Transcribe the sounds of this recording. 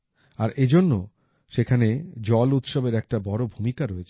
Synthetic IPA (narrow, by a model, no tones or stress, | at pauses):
aɾed͡ʑonːo | ʃekʰaned͡ʑɔlut̪ʃɔbeɾɛk̚ʈabɔɾobʱumikaɾoet͡ɕʰ